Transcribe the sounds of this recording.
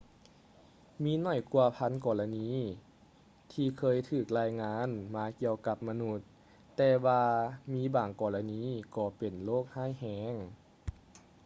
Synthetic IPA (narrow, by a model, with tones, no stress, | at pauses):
miː˧˥nɔ˧˩jku˧ɐpʰa˧˥nkɔː˨˩la˧niː˧˥ | t̪ʰiː˧kʰɤː˧˨jt̪ʰɯː˨˩k̚laː˧˥jŋaː˧˥˨nmaː˧ki˧əwka˧p̚ma˧nu˧˩t̪ː | ɛː˧waː˧miː˧˥˨baː˨˩ŋkɔː˨˩la˧niː˧˥˨kɔː˧pe˨˩nloː˥˩k̚haː˥˩jhɛː˧˦ŋ